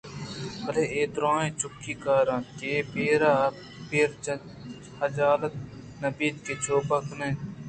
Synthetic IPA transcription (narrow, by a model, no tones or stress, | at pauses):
bɐleːeːt̪ɾãːẽːt͡ʃʊkːiːkaːɾãːkepeːɾaː | peːɾ | ɐd͡ʒaːlət̪̚ | nɐbiːd̪keːt͡ʃʰoːpəknẽ